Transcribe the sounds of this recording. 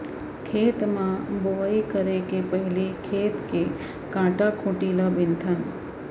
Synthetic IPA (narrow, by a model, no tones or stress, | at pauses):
kʰet̪mãboʋaikəɾekepəɦilikʰet̪ke | kãʈakʰũʈilabɪnt̪ʰən